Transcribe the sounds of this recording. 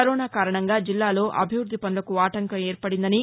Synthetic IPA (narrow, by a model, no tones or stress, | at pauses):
ɐɾoːnaːkaːɾɐɳɐŋɡaːd͡ʒilːaːlo̞ːʔɐbʱiʋɾud̪ʱːipɐnulɐkuaːʈɐŋkɐmeːɾpɐɽind̪ɐni